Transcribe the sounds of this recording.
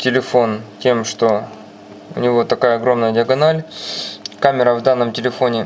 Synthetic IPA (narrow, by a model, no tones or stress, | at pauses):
tʲɪlʲɪfo̞ntʲe̞mʂt̪o̞ | ʊ̰nʲɪvo̞t̪ɐkajəɐɡɾo̞mnəjədʲɪɐɡɐnalʲ | kamʲɪɾəvd̪anːəmtʲɪlʲɪfo̞nʲɪ